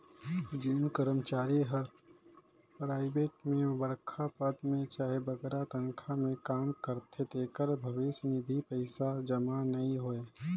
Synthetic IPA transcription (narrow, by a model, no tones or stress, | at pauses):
d͡ʒɪnkəɾəmt͡ʃaːɾiɦɐɾ | pɾaːɪbeːʈmẽbɐɽkʰapəd̪mẽt͡ʃaːɦebɐɡɛɾat̪ɐŋkʰamẽkaːmkəɾt̪ʰet̪eːkəɾbʱɐʋɪʃnɪd̪ʱipəɪsad͡ʒɐmanɐɦĩɦoːeː